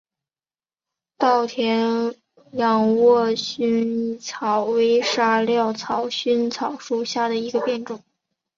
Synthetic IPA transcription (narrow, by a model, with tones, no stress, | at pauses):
t̪ɑ˥˩ʊt̪ʰjɛ˧˥n | jɑ˨˩ŋwɔ˥˧ɕy˥n˥˩t͡sʰɑ˨˩ʊwe˧˥ɪʂa˥ljɑ˥˩ʊt͡sʰɑ˨˩ʊɕy˥nt͡sʰɑ˨˩ʊʂu˥˧ɕja˥˩d̪ə˩i˧˥ɡə˧pjɛ˥˧nʈ͡ʂʊ˥˩˦ŋ